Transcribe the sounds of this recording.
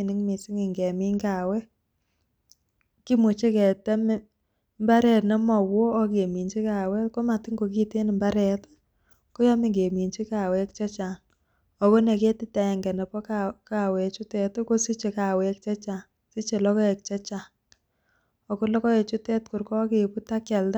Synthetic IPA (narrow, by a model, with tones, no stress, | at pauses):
nɪ˦ŋmi˨sɪ˦ŋɪ˨ŋɡe˨mi˦ŋɡa˨wɛ˦ | ki˦mu˨t͡ʃe˦kɛ˨tɛ˦m˦ | mba˦ɾɛ˨tnɛ˦mɔ˨woː˦k̬e˨mi˨ɲt͡ʃi˦ka˨wɛ˦ko˦ma˨tɪ˦ŋɡo˨ki˦te˦n˨mba˦ɾɛ˨t | ko˦jɔ˦mi˨ɡe˨mi˨nt͡ʃi˦ka˨wɛ˦kt͡ʃɛ˦t͡ʃa˨n | ɔ˨bɔ˦ne˨ke˦tɪ˦ta˨ɛ˨ŋɡɛ˨nɛ˨pɔ˦kaka˨we˨t͡ʃu˦tɛ˨tko˦si˦t͡ʃe˨ka˨we˨k̚t͡ʃɛ˦t͡ʃa˨ | si˦t͡ʃe˨lɔ˦kɔ˦ɛ˨k̚t͡ʃɛ˦t͡ʃa˨ŋ | ɔ˨ko˦lɔ˦kɔ˦e˨t͡ʃu˦tɛ˦tkʊ˨ɾkɔ˦ke˨pu˦ta˦kɛ˨lta˦